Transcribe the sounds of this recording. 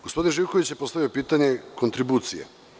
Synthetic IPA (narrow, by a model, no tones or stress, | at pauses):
ɡospo̞d̪inʒiwkoʋit͡ɕjepo̞st̪aʋio̞piːt̪aɲe̞ko̞nt̪ɾibuːt̪sijḛ